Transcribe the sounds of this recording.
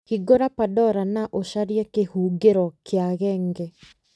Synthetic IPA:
hiɡoɾapadɔɾanaʔoʃaɾiakehuːɡeɾɔkeaɣɛːŋɡɛ

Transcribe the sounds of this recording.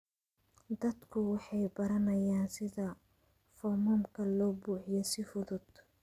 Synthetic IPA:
d̪ɐd̪kʰʊwɑħɑjbɐɾɐnɐjaːnsɪðɐ | fɔmɔːmkʰɐlɔːbuːħɪjɔsɪfʊðʊd̪

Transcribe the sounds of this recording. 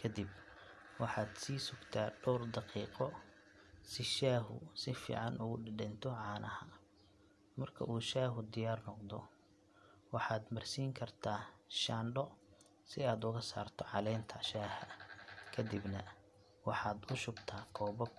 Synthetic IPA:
kʰɐd̪ib̚ | wɑħɑːd̪siːsʊɡt̪ʰaːɖ̥ɔwrd̪ɑqiːqɔ | sɪʃaːɦʊ̰sɪfḭːʕɑnʔʊɣʊɖɪɖɛnt̪ʰɔʕɑːnʔɐhɐ | mɐrkʰɐ̰ʔuːʃaːɦʊd̪ɪjaːrnɔqd̪ɔ̰ | wɑħɑːd̪mɐrsiːŋkʰɐrt̪ʰaːʃaːnɖɔ | sɪaːd̪ʊɣɐsa̰ːrt̪ʰɔʕɑlɛːnt̪ʰɐʃaːhɐkʰɐd̪ɪbnɐ | wɑħɑːd̪ʊʃʊbt̪ʰaːkʰɔːbɐɡ

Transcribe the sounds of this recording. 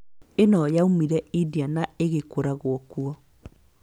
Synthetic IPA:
enɔjaumiɾɛidianaeɣekoɾaɣoɔkuɔ

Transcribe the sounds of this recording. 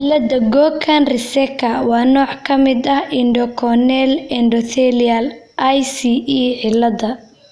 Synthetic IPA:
lɐd̪ɐɡɔːkʰɐnrɪsɛkʰɐwɑːnɔːʕkʰɐmɪd̪ɐhɪɳɖɔkʰɔnɛlɛɳɖɔθɛlɐl | ʔɐjsiiʕɪlːɐd̪ɐ

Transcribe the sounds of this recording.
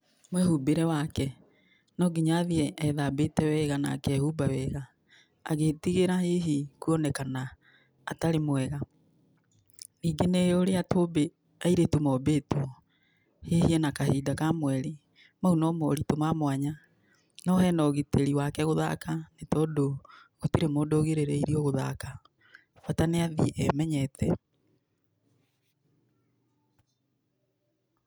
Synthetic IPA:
mwɛhubeɾɛwakɛ | nɔɡiɲaðiɛɛðaːbetɛwɛɣana̰ːkɛhubawɛɣa̰ː | ɣeːtiɣeɾaheɦikuɔnɛkana̰ː | taɾemwɛɣa | niːɡeneoɾeatobe | aiɾetomɔbetuɔ | hehiɛnakahiːdakamwɛɾe | maunɔmɔ̰ɾitomamwaɲa | nɔhɛnɔɣeteɾiwakɛɣoða̰kanetɔdoɣotiɾemodoɣeɾeɾeiɾiɔɣoða̰ka | fataneaðiʔɛmɛɲɛtʰɛ

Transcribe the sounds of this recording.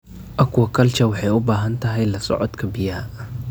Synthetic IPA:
ʔɐkʰwɐkʰɐlt͡ʃɐwɑħɑjʊbaːɦɐnt̪ʰɐɦɛjlɐsɔ̰ʕɔd̪kʰɐbɪjaːʔ

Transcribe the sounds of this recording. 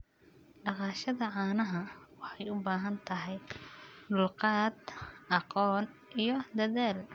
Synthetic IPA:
ɖɑqɑːʃɐðɐʕɑːnɐɦɐwɑħɑjʊbaːɦɐnt̪ʰɐɦɛjlʊlqɑːd̪ʔɑqɔːn | ʔijɞd̪ɐðaːl

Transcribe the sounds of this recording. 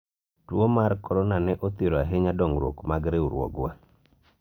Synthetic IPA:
twomaɾkɔɾɔnanɛʔot̪iɾɔaɦeɲadɔŋɾwo̰kmaɡɾeuɾwɔ̰ɡwa

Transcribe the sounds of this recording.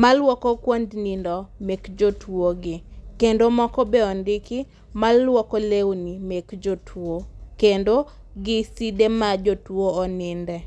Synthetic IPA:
malwɔkɔkwondnindɔmekd͡ʒotwoɡɪkendomɔkɔbeɔndɪki | malːwɔkɔlewnimekd͡ʒotʰwokendo | ɡɪsidemad͡ʒotwoːnɪndɛ

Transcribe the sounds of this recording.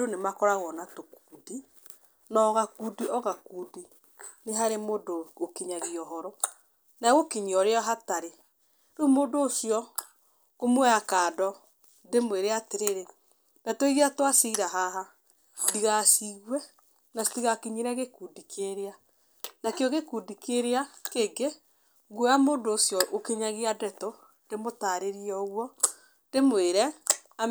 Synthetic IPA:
donemakɔɾaɣɔnatokudi | nɔɣakudiɔɣakudi | neɦaɾemodookiɲaɣiɔɦɔɾɔ | naɣokiɲiɔɾeɔɦataɾe | numodoːsijɔ | omwɛakaːdɔ | ndemweɾeateɾeɾe | dɛtoiɣiatwasiɾaɦaɦa | diɣasiɣwɛ | nastiɣakiɲiɾɛɣekuːdikʰeɾea | nakeɔɣekudikeɾeakeːŋɡe | ɣojamoːndoːsjɔʔokeɲaɣiadɛto | ndemotaɾeɾiɔɣwɔ | ndemweɾɛ | a

